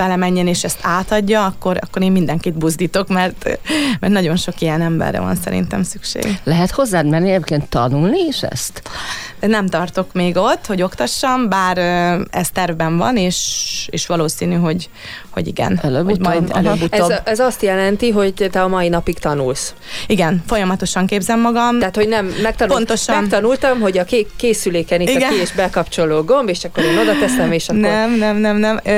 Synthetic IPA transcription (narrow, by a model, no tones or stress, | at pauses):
b̥ɛlɛmɛɲːɛneːʃɛst̪ʰaːt̪ɒɟːɒɒkːo̞ɾɒ̰kːo̞ɾeːmmind̪ɛŋkid̪̚buzd̪iːt̪o̞kmɛrt̪mɛrt̪nɒɟo̞nʃo̞kijɛnɛmbɛ̰rːɛ̰vɒ̰nsɛ̰ɾḭnt̪ɛmsykʃḛːɡɡlɛɦɛt̪ho̞zːaːd̪mɛnːiepkeːnt̪ːɒnulnieːʃɛ̰st̪ | nɛmt̪ɒrt̪o̞kmeːɡo̞t̪ːho̞ɟo̞kt̪ɒʃːɒmbaːɾɛzt̪ɛrvbɛɱvɒ̰neːʃeːʃʋɒloːsiːnyɦo̞ɟ | hoɟḭɡɛ̰nlømɛ̰lbutɛozɛzɒst̪jɛlɛnt̪iɦo̞ɟt̪ɛɒmɒinɒpikt̪ɒnuls | iɡɛnfo̞jɒmɒt̪o̞ʃɒŋkeːbzɛmːɒɡɒmɛɦaːt̪hoɟnɛmːɛk̚t̪ɒnupo̞nt̪o̞ʃɒmɛkt̪ɒnult̪ɒmɦo̞ɟɒkekeːsyleːkɛniiɡɛieːʃbɛkɒpt͡ʃo̞loːɡo̞mbeːʃɒkːo̞ɾeːnod̪ɒt̪ɛsɛmeːʃɒnːɛmnɛmnɛmnɛm